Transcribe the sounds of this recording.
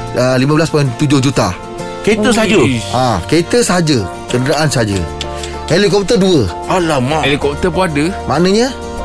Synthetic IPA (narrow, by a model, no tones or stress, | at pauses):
əlimãbəlaspant̪ud͡ʒʊhd͡ʒut̪a̰ | kəit̪əs̬əɦad͡ʒəakət̪əsəɦad͡ʒə | kəndənaʔansəɦad͡ʒə̰ | helikɔp̚t̪əduə | alamaelikɔp̚t̪əpuadəmanəɲə